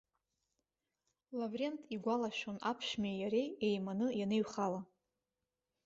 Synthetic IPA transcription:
lavrʲentʰʼiɡʷalaʃonapʰʃmejjaɾeejmanɨjaneɥχala

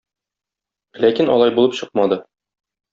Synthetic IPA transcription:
lækinɒ̰lˠɑjbulˠɤpɕɤq̚mɑd̪ɤ

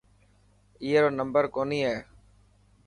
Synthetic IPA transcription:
iːɦeːɾoːnəmbəɾkoːniːɦɛː

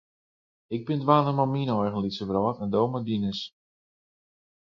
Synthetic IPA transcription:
ɪɡ̚bɪndʋaːnəmɔminɔjɣən̩lisəbrɔːtɛndowmadinəs

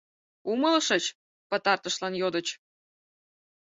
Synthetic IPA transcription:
uməlʃə̆t͡ɕ | pə̆t̪ɑrt̪ə̆ʃlɑnjod̪ə̆t͡ɕ

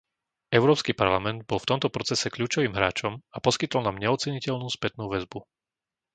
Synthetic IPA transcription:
ɛʊɾɔːpskipaɾlamɛnd̪̚bɔlˠft̪ɔmt̪ɔpɾɔt͡sɛsɛkʎuːt͡ʃɔʋiːmɦɾaːt͡ʃɔmapɔskit̪ɔlnamɲɛɔt͡sɛɲicɛʎnuːspɛt̪nuːʋɛzbu

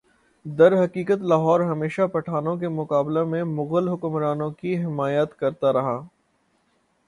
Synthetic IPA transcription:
d̪ɐɾɦɐkiːkət̪laːɦɔːɾɦɐmeːʃapɐʈʰaːnõk̬emʊqaːblemẽmʊɣəlɦʊkmɾaːnõkiɦɪmaːjət̪kɐɾt̪aɾɐɦaː

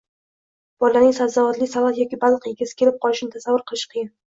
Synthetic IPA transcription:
b̥ɒlːanɪŋsazavat̪lisavat̪jɒkʲibaɑlˠqeɡʲɪsɪ̥kʲʰelɪp̚qʰɒlɪʃnɪt̪ʰasavːʊɾqʰɨlˠɪʃqʰɨjɪn

